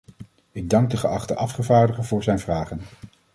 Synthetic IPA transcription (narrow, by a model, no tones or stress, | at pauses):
ɪɡ̚dɑŋɡ̚dəχəɑχtəʔɑfχəvaːɹdəχəvʊːɹzɛjnvraːχən